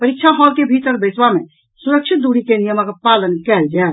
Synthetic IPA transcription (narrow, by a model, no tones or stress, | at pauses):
pəɾik̚t͡ʃʰaɦɔlkebʱit̪əɾbəsbamḛ | suɾəkt͡ʃʰit̪̚d̪uɽikenijəməkepalənkɛld͡ʒae